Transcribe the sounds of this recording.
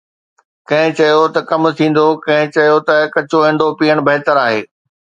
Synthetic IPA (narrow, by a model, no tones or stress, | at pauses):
kɐ̃ɦɪ̃t͡ɕɐjot̪ɐkɐmt̪ʰĩːn̆d̪okɐ̃ɦɪ̃t͡ɕɐjot̪ɐkɐt͡ɕoẽːɳɖopiːəɽ̃bɐɦɪt̪əɾaːɦeː